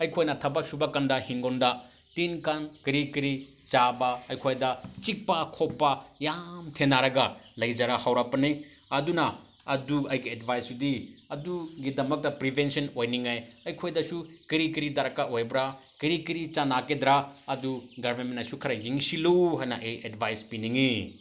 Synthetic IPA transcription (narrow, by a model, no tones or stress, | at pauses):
ɐjkʰojnɐtʰɐbɐk̚subakandɐhiŋɡondɐ | tinkankiɾikiɾi | t͡ʃabɐɐjkʰojdɐt͡ʃik̚pɐkʰopːɐjamtʰenaɾɐɡɐlɐjd͡ʒaɾahawɾapɐni | ɐdunɐ | ɐduɐjɡiedbʱajsudiɐduɡidɐmɐk̚tɐpɾibʱensɐnojniŋajɐjkʰojdɐsukiɾikiɾidɐɾɐkaʔojbɾa | kiɾikiɾit͡ʃanakedɾaɐduɡɐɾmenmenɐsukʰɐɾɐjiŋsiluɦajnɐʔejedbʱajspiniŋi